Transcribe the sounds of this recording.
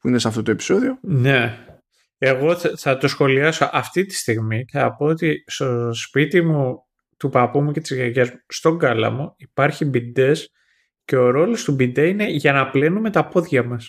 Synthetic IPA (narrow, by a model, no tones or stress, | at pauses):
puinesɐft̪ot̪oe̞pi̥so̞ðio̞ne̞ | e̞ɣo̞θɐt̪o̞sxo̞liɐso̞ʔɐft̪it̪i̥st̪iɣmiθɐpoot̪ist̪o̞spit̪imu | t̪upɐpumucet̪izʝɐʝɐzmust̪o̞ŋɡɐlɐ̰muipɐɾçibid̪e̞s | ce̞o̞ɾo̞lo̞st̪ubid̪eine̞ʝɐnɐple̞nume̞t̪ɐpo̞ðʝɐmɐs